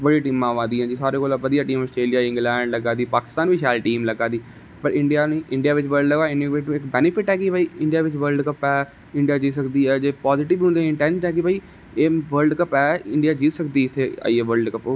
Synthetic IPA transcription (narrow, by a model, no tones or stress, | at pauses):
ʋəɽiːʈiːmãːʋãːd̪iːɛ̃ːd͡ʒiːsaːɾeːkoːlaʋəd̪ijaːʈiːməsʈɾeːlijaːɪ̃ŋɡlɛ̃ːɳɖləɡãːd̪iːpaːkɪ̥st̪aːnʋiːʃɛːlʈiːmləɡãːd̪iː | pəɾɪɳɖijaːniːɪɳɖijaːʋɪt͡ʃʋəɾɖəɪniʋeʈːɪkbɛːnɪpʰɪʈɛːkɪbaiːɪɳɖɪjaːʋɪt͡ʃʋəɾɖkəpɛː | ɪɳɖijaːd͡ʒiːsəkd̪iːɛːd͡ʒeːpɔːzɪʈɪʋɦʊ̃nd̪ẽɪ̃ɳʈɛ̃ːnsɦɛːk̬ɪbaiː | eːʋəɾɖkəpɛːɪɳɖijaːd͡ʒiːsəkd̪iːɪt̪ʰːea̰ːiɛːʋəɾɖkəpoː